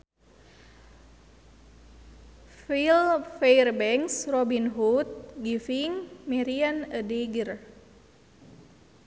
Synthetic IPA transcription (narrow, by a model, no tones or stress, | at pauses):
filfejrbɛŋsrobinɦut̪̚ɡifiŋmiɾianədeɡər